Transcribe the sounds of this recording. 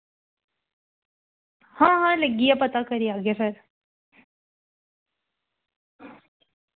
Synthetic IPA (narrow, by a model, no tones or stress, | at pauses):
hãːɦãːləɡijapɐt̪akəɾijaːɡefɐɾ